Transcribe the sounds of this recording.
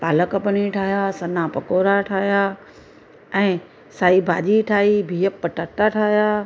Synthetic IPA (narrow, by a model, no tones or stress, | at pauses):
paːləkəpɐniʈʰaːɦjasɐnapɐkoːɾaʈʰaːɦjaː | ɛ̃ː | saːibʱaːʄiʈʰaːɦibʱiːjəpːɐʈəʈaʈʰaːɦjaː